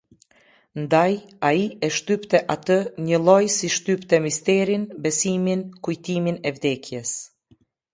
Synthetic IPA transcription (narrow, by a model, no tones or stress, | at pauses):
nd̪ajaiɛʃt̪ypt̪ɛʔat̪əɲəlˠɔjsiʃt̪ypt̪ɛmist̪ɛɾinbɛsiminkujt̪iminɛvd̪ɛkjɛs